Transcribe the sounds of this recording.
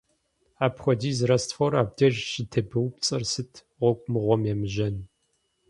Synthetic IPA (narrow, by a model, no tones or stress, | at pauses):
aːpχʷɔdiːzrɐstfɔɾaːb̚dɐʒʃɪtʰɐbɨwpt͡sʼɐrsɨtʰ | ʁʷɔkʷʼmɨʁʷɔmjɛmɨʒɐn